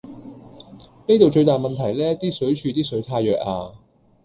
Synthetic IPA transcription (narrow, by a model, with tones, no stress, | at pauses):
ne˥t̪o˨wt͡ʃɵ˧ɥt̪aː˨jmɐ˨˩nt̪ʰɐ˨˩jlɛː˥t̪iː˥sɵ˨˥ɥt͡ʃʰyː˧t̪iː˥sɵ˨˥ɥt̪ʰaː˧jːœː˨k̚a̰ː˧